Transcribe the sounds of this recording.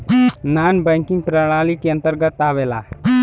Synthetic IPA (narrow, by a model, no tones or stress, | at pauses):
naːnbəŋkĩŋɡ̚pɾaɽ̃aːlikiə̃nt̪əɾɡət̪ːaːʋela̰